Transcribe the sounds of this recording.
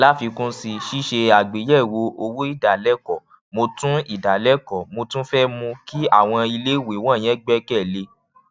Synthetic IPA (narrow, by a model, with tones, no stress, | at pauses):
la˨˦fi˧kũ˦si˧ʃi˦ʃe˧a˨ɡ͡be˨˦jɛ˦˨wo˧˦o˧wu˦i˦˨da˨lɛ˦kɔ˨ | mo˧tũ˦i˦˨da˨lɛ˦kɔ˨mo˧tũ˦fɛ˦mũ˧ki˦a˦˨w̃ɔ̃˧i˧le˦˨we˨˦w̃ɔ̃˦˨j̃ɛ̃˦ɡ͡bɛ˦kɛ˦˨le˧˦